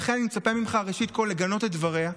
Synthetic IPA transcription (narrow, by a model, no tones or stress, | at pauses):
χenanimet͡sapemimχaʁeʃit̪̚kolːe̞ɡano̞tet̪̚dvaʁea